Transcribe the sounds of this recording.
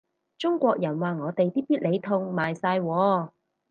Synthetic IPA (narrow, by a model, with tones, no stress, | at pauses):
t͡sʊ˥ŋkʷɔː˧k̚jɐ˨˩nwaː˨ŋɔː˨˧t̪e˨jt̪iː˥piː˥t̚le˨˧jt̪ʰʊ˧ŋmaː˨jsaː˧jwɔː˨˧